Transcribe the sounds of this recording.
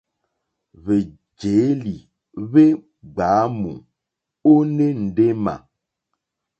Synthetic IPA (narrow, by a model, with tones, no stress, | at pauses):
βe˨ | d͡ʒe˨˦li˨ | βe˦ | ɡ͡ba˨˦mṵ̃˨ | o˦ne˦n̩˨ɖe˦mã̰˨